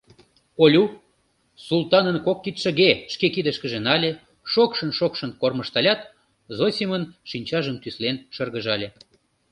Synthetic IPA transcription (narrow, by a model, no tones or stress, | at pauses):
olʲu | sulˠt̪ɑnənkokːit̪ʃə̆ɣeʃkekid̪əʃkə̆ʒenɑlʲe | ʃokʃənʃokʃənkorməʃt̪ɑlʲɑt̪ | zosʲimənʃinʲt͡ɕɑʒənt̪yslenʃərɣəʒɑlʲe